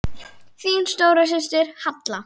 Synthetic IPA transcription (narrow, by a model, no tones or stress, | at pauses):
θiːnst̪oːwɾas̬ɪst̪ɪɾ̥hat̪la